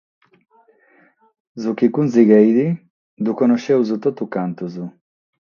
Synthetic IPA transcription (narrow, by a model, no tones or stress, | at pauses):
zukikunziɡejd̪i | d̪ukonoʃewzut̪ot̪ukant̪uzu